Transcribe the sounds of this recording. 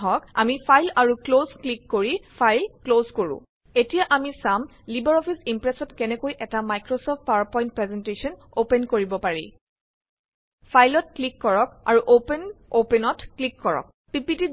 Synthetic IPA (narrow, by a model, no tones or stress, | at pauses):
ɦɔka̰mipʰajlaɹuklozklikːoɹipʰajlklozkoɹʊ̰̃ | etijaʔamisam | libɛɹɔpʰisimpɹɛsɔtkɛnɛkojʔɛtamajkɹosɔpʰt̚pawapɔjĩnt̚pɹɛzɛntesɔn | openkoɹibɔpaɹḭ | pʰajlɔtklikːɔɹɔk̚a̰ɹuʔopenopɛnɔtklikːɔɹɔ̰k̚ | pipiti